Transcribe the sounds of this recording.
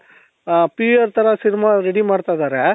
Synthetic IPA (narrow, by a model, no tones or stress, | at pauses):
piːɐɾt̪ɐɾɐsinimaɾeɽimaːɖt̪ajd̪aːɾe